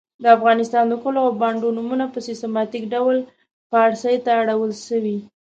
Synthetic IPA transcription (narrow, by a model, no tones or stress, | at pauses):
d̪əafɣɑnɪst̪ɑnd̪əkəloawbɑɳɖonumunapəsɪst̪emɑt̪ikɖawl | pəːɽsəjt̪aːɽawəlʃəwi